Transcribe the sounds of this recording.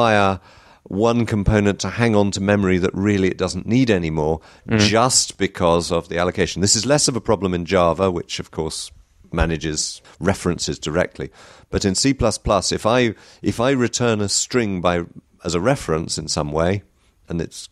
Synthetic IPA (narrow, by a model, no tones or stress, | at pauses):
aɪə˞ | wʌ̃nkʰə̃m̩pʰõʊ̃nɨ̃ntʰəhæ̃ŋə̃ntʰɨmɛmə˞iðɨ̰ʔɹɪlˠiɨ̰t̚d̥ʌzn̩niɾɛnimɔɹ | d͡ʒʌstb̥ɨkʰʌzʌvðiælˠəkʰeɪʃn̩ðɪsɨzlɛsʌvəpʰɹ̥ɑblə̃mɨ̃nd͡ʒɑɹvəwɨt͡ʃʌv̥kʰɔɹs | mænɨd͡ʒɪz̥ | ɹɛfɹɨ̃nsɨzdə˞ɛ̰k̚tʰˡlḭb̥ʌɾɨ̃nsipʰl̥ʌspʰl̥ʌsɨfaɪ | ʔɨfaɪɹɨtʰɜ̃˞nɨstɹ̥ɪ̃ŋbaɪ | əzəɹɛfɹɨ̃nsɨ̃n̩sʌ̃mweɪ | ʔə̃nɨ̰ts